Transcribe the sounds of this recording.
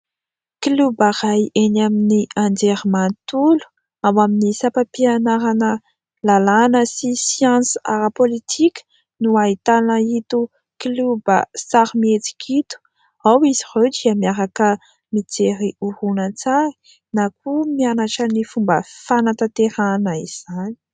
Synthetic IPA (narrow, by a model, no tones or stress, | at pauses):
kilubaɾajenaminiʔand͡ʒeɾimant̪ulu̥ | awaminisapapianaɾanə | lalanəsisiɑ̃nsa̰ɾapolit̪ʰikʲə̥ | nuait̪anəit̪u | klubəsaɾmiet͡si̥kʰʲit̪u̥ | awizirewdiəmiaɾakə | mit͡seɾiuhunət͡sai̥ | nak̚umianaʈ͡ʂənifumbəfanat̪at̪eɾanəiz̥ani̥